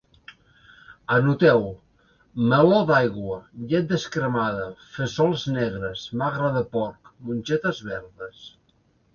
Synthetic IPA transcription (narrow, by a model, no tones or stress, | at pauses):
ənut̪ɛw | məlɔd̪ajɣwəʎɛt̪̚d̪əskɾəmaðəfesɔlˠznɛɣɾəsmaɣɾəðəpɔɾkmunʲt͡ʃɛt̪əzβɛɾðəs